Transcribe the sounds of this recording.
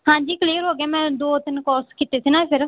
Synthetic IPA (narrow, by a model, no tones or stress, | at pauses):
ɦãːɲd͡ʒiːkliːəɾɦoːɡɪaːmɛ̃ːd̪oːt̪ɪnkɔːskiːt̪eːsiːnãːpʰɪɾ